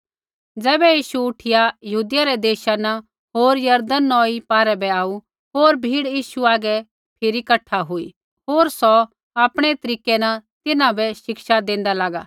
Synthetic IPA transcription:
d͡zɛːbɛjiːʃuʊʈʰɪjajɐɦuːd̪ɪjaɾɛd̪eːʃanɐ | ɦoːɾjɐɾd̪ənːɔːipaːɾɛbɛaːu | ɦoːɾbʱiːɽjiːʃuaːɡɛ | pʰɪɾikɐʈʰːaɦoːḭ | ɦoːɾsɔ | aːpɽ̃ɛt̪ɐɾiːkɛnɐt̪ɪnãbɛʃɪkʃad̪ẽːnd̪alaːɡaː

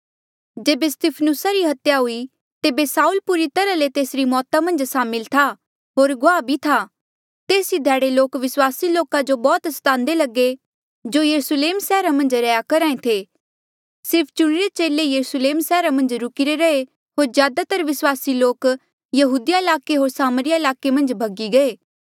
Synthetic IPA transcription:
d͡ʒeːbest̪ipʰnʊsaɾiɦɐt̪jaɦʊi | t̪eːbesaːuːlpuːɾit̪ɐɾalet̪eːsɾimɔːt̪amɐ̃nd͡ʒsaːmɪlt̪ʰa | ɦoːɾɡʊaːbʱit̪ʰa | t̪eːsid̪ʱɛːɽeloːkʋɪswaːsiloːkad͡ʒobɔːt̪əst̪ãːnd̪elɐɡe | d͡ʒojɐɾusleːmsɛːɾamɐ̃nd͡ʒɾɐjakɐɾaːẽt̪ʰe | sɪɾpʰt͡ʃʊɽ̃ɪɾet͡ʃeːlejɐɾusleːmsɛːɾamɐ̃nd͡ʒɾʊkiɾeɾɐe | ɦoːɾzjaːd̪at̪ɐɾʋɪswaːsiloːk | jɐɦuːd̪ijaɪlaːkeɦoːɾsaːməɾɪjaɪlaːkemɐ̃nd͡ʒbʱɐɡiɡɐeː

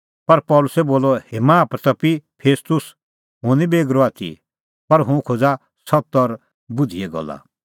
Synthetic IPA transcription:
pɐɾpɔːlʊsɛboːlɔheːmãːpɾt̪ɐpipʰeːst̪ʊs | ɦʊ̃nĩbeːɡɾɔaːt̪ʰḭ | pɐɾɦʊ̃kʰoːd͡za | sɔt̪ɔɾ | bʊd͡zʱiɛɡɔ̰lːa̰

